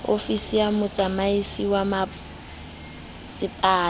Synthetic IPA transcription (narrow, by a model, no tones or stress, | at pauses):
o̰fisijamʊt͡sʼamaisiwama | sɪpʼaː